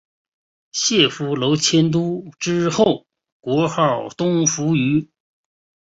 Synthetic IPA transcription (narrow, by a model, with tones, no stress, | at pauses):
ɕjɛ˥˩fu˧˥lo˧˥ʊt͡ɕʰjɛ˥nt̪̬u˥ʈ͡ʂɻ̩˥xo˥˩ʊ | kwɔ˧˥xɑ˥˩ʊt̪ʊ˥ŋfu˧˥y˧˥